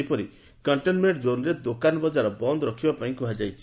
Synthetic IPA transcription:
pɔɾi | kɔɳʈenmeɳʈd͡ʒonɾed̪okanɔbɔd͡ʒaɾɔbɔnd̪ɔɾɔkʰibapaĩŋkuɦad͡ʒajt͡ʃʰi̥

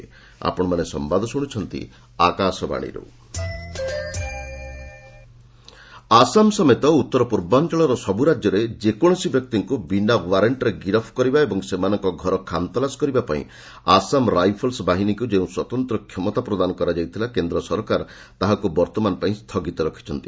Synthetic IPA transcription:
a̰pɔɽ̃ɔmanesɔ̰mbad̪ʱɔsuɽ̃ut͡ʃʰɔnt̪ḭ | akasɔba̰ɽ̃ḭɾṵ | asamsɔmet̪ɔut̪ːɔɾɔpuɾbant͡ʃaɭɔɾɔsɔbuɾad͡ʒjɔɾed͡ʒekɔɽ̃ɔsibjɔk̚t̪iŋkubinawaɾeɳʈɔɾeɡiɾɔpʰkɔɾibaebɔŋsemanɔŋkɔɡʱɔɾɔkʰant̪ɔlasɔ̥kɔɾibapaḭ̃ | asamɾajpʰɔlsbaɦinikud͡ʒeũswɔt̪ɔnt̪ɾɔkʰjɔmɔt̪apɾɔd̪anɔkɔɾad͡ʒajt̪ʰilakend̪ɾɔsɔɾkaɾ | t̪aɦakubɔɾt̪ɔmanɔpaĩst̪ʰɔɡit̪ɔɾɔkʰi̥t͡ʃʰɔnt̪i̥

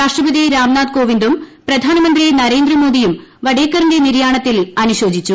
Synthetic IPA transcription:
ɾaːʂʈrɐbɐðiɾaːmnaːd̪̚ko̞ːʋind̪umprɐd̪ʱaːnɐmɐnd̪rinɐɾe̞ːnd̪rɐmo̞ːd̪ijumʋɐɽeːkːɐɾinde̞niɾjaːɳɐt̪ːilɐnuɕo̞ːd͡ʑit͡ɕːu

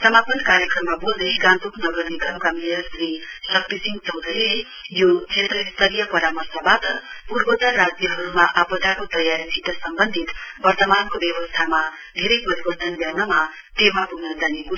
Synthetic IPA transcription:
sʌmapʌnkaɾjʌkrʌmːabold̪ʌjɡãnt̪uknʌɡʌrniɡʌmkamilʌsrisʌk̚t̪isiŋɡt͡sʌwd̪ʱʌile | jot͡sʰet̪rʌist̪ʌɾijʌpʌɾamʌrsabat̪ʌ̰puɾbʌt̪arːad͡zjʌɦʌɾumaʔʌpʌd̪akot̪ʌjaɾisʰiʈ̪ʌsʌmbʌnd̪ʱit̪bʌrt̪ʌmankobjʌwʌst̪ʰama | d̪ʱeɾʌjpʌɾibʌnd̪ʱʌnljawnʌma | ʈ̪emabuɡnʌd͡zaniku

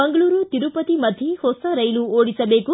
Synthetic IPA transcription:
bɐŋɡɐluːɾut̪iɾupɐt̪imɐd̪ʱjihoːsɐɾɐjluoːɽisɐbeːku

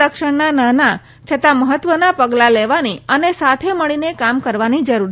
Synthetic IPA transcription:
əkʃəɳnanana | t͡ʃʰət̪ãməɦət̪ʋənapəɡlaleʋaniənesat̪ʰeməɭinekamkəɾʋanid͡ʒəɾuɾ

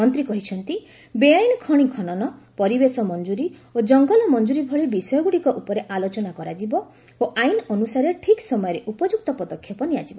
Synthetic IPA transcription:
mɔnt̪ɾikɔɦit͡ʃʰɔnt̪i | beajnɔkʰɔɽ̃ikʰɔnɔnɔpɔɾibesɔmɔnd͡ʒuɾiod͡ʒɔŋɡɔlɔmɔnd͡ʒuɾibʱɔɭibisɔjɔɡuɽikɔʔupɔɾeʔalot͡ʃɔnakɔɾad͡ʒibɔ | oʔajnɔnusaɾeʈʰiksɔmɔjɔɾeʔupɔd͡ʒuk̚t̪ɔpɔd̪ɔkʰːjɔpɔniad͡ʒibɔ

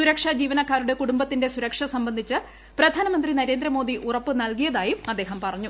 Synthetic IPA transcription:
suɾɐkʂɐd͡ʑiːʋɐnɐkːaːɾuɽe̞kuɽumbɐt̪ːinde̞suɾɐkʂɐsɐmbɐnd̪ʱit͡ɕːɨ | prɐd̪ʱaːnɐmɐnd̪rinɐɾe̞ːnd̪ɾɐmo̞ːd̪iʔurɐpːɨnɐɭkijɐðaːjumɐd̪ːe̞ːɦɐmpɐrɐɲːu

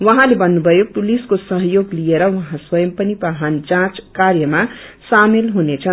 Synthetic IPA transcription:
wʌɦãlebʌnːubʱʌjopuliskosʌɦjoɡlijeɾʌwʌɦãswʌjʌmpʌnipaɦand͡zãt͡skaɾjʌmasamelɦunet͡sʰʌn

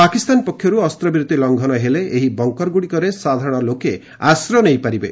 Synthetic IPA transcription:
pakist̪anpɔkʰːjɔɾuɔst̪ɾɔbɾut̪ːilɔŋɡʱɔnɔɦeleʔeɦibɔŋkɔɾɡuɽikɔɾesad̪ʱaɾɔɽ̃ɔloke | asɾɔnejpaɾibe

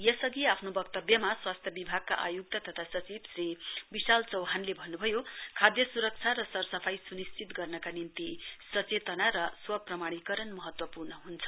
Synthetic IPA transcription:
jʌsʌɡiapʰnobʌkt̪ʌbjʌmaswast̪ʰjʌbibʱaɡ̚ka̰ʔajuk̚t̪ʌt̪ʌt̪ʰasʌt͡sibsribisalt͡sʌwɦanlebʱʌnːubʱʌjokʰad̪jʌsuɾʌk̚t͡sʰaɾʌsʌrsʌpʰajsunist͡sit̪ɡʌrnʌkanint̪isʌt͡set̪ʌnaɾʌswʌprʌmaɽ̃ikʌɾʌnmʌɦʌt̪wʌpurnʌɦunt͡sʰʌ̥

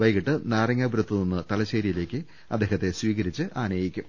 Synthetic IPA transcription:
ʋɐjkiʈːɨnaːrɐŋːabɾut̪ːuninːɨt̪ɐlɐɕeːɾijile̞ːkʲːɨ | ɐd̪ːeːɦɐt̪ːe̞swiːɣɐɾit͡ɕːɨʔaːnɐjikʲːum

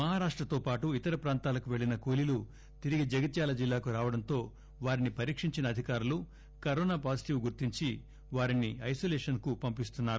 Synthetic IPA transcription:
mɐɦaːɾaːʂʈɾɐt̪o̞ːpaːʈuit̪ɐɾɐpɾaːnt̪aːlɐkuʋe̞ɭinɐkoːlilu | t̪iɾiɡid͡ʒɐɡɐt̪jaːlɐd͡ʒilːaːkuɾaːʋɐɽɐnt̪o̞ː | ʋaːɾinipɐɾiːkʂiɲt͡ʃinɐd̪ʱikaːɾulu | kɐɾɔːnaːpaːsi̥ʈiʋɡuɾt̪iɲt͡ʃi | ʋaːɾiniɐjsoːleːʂɐnkupɐmpist̪unːaːɾu

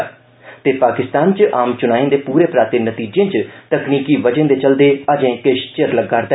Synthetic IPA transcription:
t̪eːpaːkɪst̪aːnt͡ʃʔaːmt͡ʃʊnaːẽːnd̪eːpuːɾeːpɾaːt̪ɪːnət̪iːd͡ʒẽːt͡ʃt̪əkniːkiːʋəd͡ʒə̃nd̪eːt͡ʃəld̪eːəd͡ʒẽːkɪʃt͡ʃəɾləɡːəɾd̪ɛ

